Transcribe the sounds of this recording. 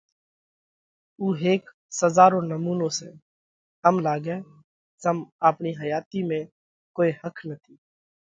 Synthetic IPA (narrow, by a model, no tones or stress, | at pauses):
uːɦeːk | səzaːɾõːnəmuːnõːsḛ̃ː | əmlaːɡɛː | zəmaːpniːɦəjaːt̪iːmẽ | koːiːhəkʰnət̪ʰiː